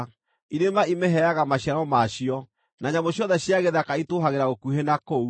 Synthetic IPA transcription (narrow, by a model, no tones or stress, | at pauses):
iɾemaimeɦɛaɣamaɕjaɾɔmaɕiɔ | naɲamoɕjɔðɛɕjaɣeðakaitoɦaɣeɾaɣokuhenakou